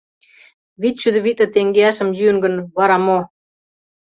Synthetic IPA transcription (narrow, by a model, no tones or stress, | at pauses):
βit̪̚ɕyd̪ɘ̆βit̪̚lɘ̆t̪eŋɡeɑʃə̆mjyŋɡə̆nβɑɾɑmo